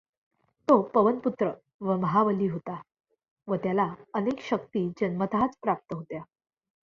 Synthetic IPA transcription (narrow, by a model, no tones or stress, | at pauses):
t̪opəʋənput̪ɾə | ʋəməɦaʋəliːɦot̪a | ʋət̪jalaənekɕək̚t̪iːd͡ʑənmət̪ʰat͡spɾap̚t̪əɦot̪ja